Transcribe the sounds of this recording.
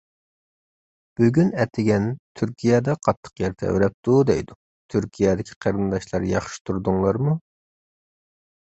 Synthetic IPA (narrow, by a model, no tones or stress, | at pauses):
b̥yɡʲynɛt̪ʰɪɡʲɛnt̪ʰyɾkʲʰijɛd̪ɛqʰɑt̪ʰːə̥qjɛɾt̪ʰɛɛ̰wɾɛp̚t̪ud̪ɛ̰jd̪u | t̪ʰyɾkʲʰijɛd̪ɪkʲʰi̥qʰɑɾɨnd̪ɑʃlˠɑɾjɑχʃi̥t̪ʰuɾd̪uŋlˠɑɾmu